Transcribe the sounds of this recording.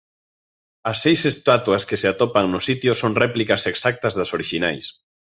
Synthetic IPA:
ɐsːejsest̪at̪uɐskeseat̪ɔpaŋnʊsit̪jʊsoŋrɛplikɐseksak̚t̪ɐzðɐsoɾiʃinajs

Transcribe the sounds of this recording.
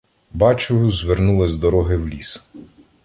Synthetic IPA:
bɑt͡ʃʊjʊzʋernulˠɪzd̪ɔɾɔɦɪwlʲis

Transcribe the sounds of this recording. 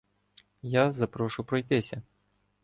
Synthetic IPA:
jazɐpɾɔʃʊpɾɔjt̪ɪsʲɐ

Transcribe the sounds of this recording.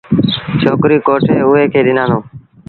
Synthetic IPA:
t͡ʃʰoːkɾiːkoːʈʰeːʊɦeːkʰeːɗɪnãːnõː

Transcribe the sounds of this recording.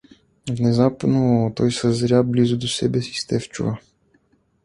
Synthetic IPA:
vnɛzap̪not̪ɔjsɐzɾʲablizud̪osɛbɛsi̥st̪ɛft͡ʃṵvɐ

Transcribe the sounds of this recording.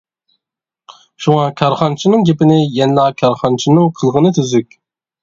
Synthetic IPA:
ʃuŋɑkʲʰɑɾχɑnt͡ʃʰinɨŋɡʲepɪnɪjɛnlˠɑkʲʰɑɾχɑnt͡ʃʰinɨŋqʰəlˠʁənɨt̪ʰyzykʲ

